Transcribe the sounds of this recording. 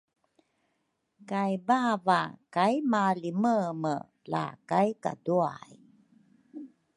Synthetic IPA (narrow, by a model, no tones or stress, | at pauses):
kajbavakajmaliməmə̰ | la̰kajka̰dua̰j